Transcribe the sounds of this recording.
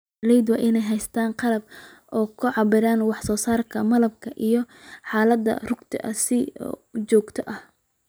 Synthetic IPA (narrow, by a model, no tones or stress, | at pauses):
lɛjd̪wɐʔɪnɛjɦɛjst̪ʰaːnqɑlɐb̚ | ʔɔːkʰʊʕɑbɪɾaːnwɑħsɔːsaːrkʰɐmɐlɐb̚kʰɐʔijɔ | ħɑːlɐd̪ːɐ̰rʊɡt̪ʰɪ̰ʔɐ̰sɪt͡ʃɔːɡt̪ʰɔʔɐh